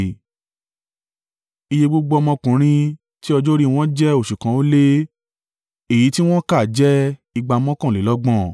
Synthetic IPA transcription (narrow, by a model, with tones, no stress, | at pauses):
i˧je˧bo˦ɡ͡bo˧ɔ˧mɔ̃˧kũ˨ɾ̃ĩ˦ | ti˦ɔ˧d͡ʒo˦ɾi˦˧w̃ɔ̃˦d͡ʒɛ˦o˦˨ʃu˨kã˨˦o˦le˦ | e˨ji˨˦ti˦w̃ɔ̃˦ka˦˨d͡ʒɛ˦i˧ɡ͡ba˧ɔ˧mɔ̃˦kã˦˨le˨˦lɔ˦ɡ͡bɔ̃˦˨